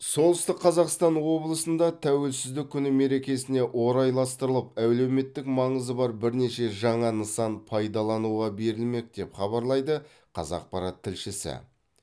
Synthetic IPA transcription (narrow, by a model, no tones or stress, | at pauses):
so̞lˠəst̪ɪqːʰɑzɑqst̪ɑnwo̞blˠəsənd̪ɑt̪ʰæwe̞lsɪzd̪ɪk̚ʲʰːʏnɪme̞ɾe̞kʲe̞sɪne̞ʔwo̞ɾɑjlˠɑst̪əɾəlˠəpæwle̞wme̞t̪ːɪkmɑɴəzəbɑɾbɪɾne̞ʃe̞ʒɑɴɑnəsɑnpʰɑjd̪ɑlˠɑnuʁɑbe̞ɾɪlme̞k̚d̪e̞pχɑβɑɾlˠɑjd̪ə | qʰɑ̰zɑ̰q̚pɑɾɑt̪ʰːɪlʃɪsɪ̰